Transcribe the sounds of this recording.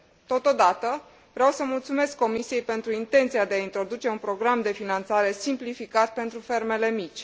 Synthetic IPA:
t̪o̞t̪o̞d̪at̪ə | vɾeawsəmult̪sume̞skːo̞misije̞jpe̞nt̪ɾuint̪e̞nt̪sijad̪eaint̪ɾo̞d̪ut͡ʃe̞unpɾo̞ɡɾamd̪e̞finant̪saɾe̞simplifikat̪̚pe̞nt̪ɾufe̞rme̞le̞mit͡ʃʲ

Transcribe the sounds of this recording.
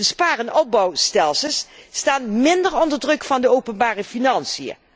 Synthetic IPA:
əspaːrənɔb̚bɑwstɛlˠsəlˠsːtaːnmɪndəɹɔndəɹdrɵkfɑndəowpənbaːrəfinɑnsijə̰

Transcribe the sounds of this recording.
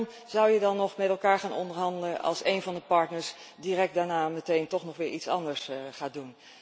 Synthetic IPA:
m | z̥ʌwjədɑnːɔχmɛtɛlˠkaːɹχaːnɔ̰ndəɹɦɑndələʔɑ̰lˠsejnvɑndəpɑɹtnəɹs | dirɛk̚daːɹnaːmətejntɔχnɔχʋɪːɹʔitsɑ̰ndəɹsχaːdun

